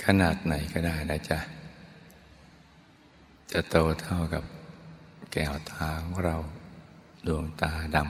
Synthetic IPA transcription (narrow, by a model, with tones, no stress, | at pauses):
kʰa˧naː˨˩t̪̚na˨˩˦jkɔː˧˩daː˥˩jna˧˩t͡ɕa˧˨ | t͡ɕa˨˩t̪oː˧˩t̪ʰa˧˩wka˨˩p̚ | kɛː˨˩wt̪ʰaː˧˦kʰɔ˧˦ŋɾa˧w | du˧əŋt̪aː˧da˧˩m